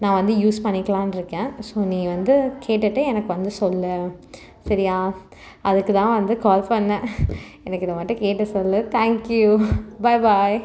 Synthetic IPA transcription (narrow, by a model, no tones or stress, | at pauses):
nãːʋɐnd̪ɯjuːspɐɳːɪkːɐɭãːnɪɾɯkːẽːsoːnĩːʋɐnd̪ɯkʰeːʈːɐʈːɯɛnɐkːɯʋɐnd̪ɯsɔlːɯ | sɐɾɪjaː | ʔɐðɯkːɯt̪ãːʋɐnd̪ɯkaːlpɐɳːɐ | ɛnɐkːɯɪðɐmɐːʈːɯ̃keːʈːɯsɔlːɯt̪ʰaːŋkjubɐɪbaj